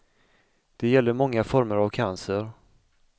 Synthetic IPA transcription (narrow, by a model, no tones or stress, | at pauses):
d̪̥ɛjɛlːəɾmɔŋːafɔɾməɾavkʰansəɾ